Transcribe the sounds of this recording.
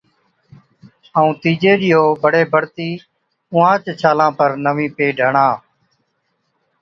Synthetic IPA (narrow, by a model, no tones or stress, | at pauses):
əũːt̪iːd͡ʒeːɗɪjoːbəɽeːbʱəɽt̪iː | ʊ̃ːãːt͡ʃt͡ʃʰaːlãːpəɾnəʋĩːpeːɖʱəːɳãː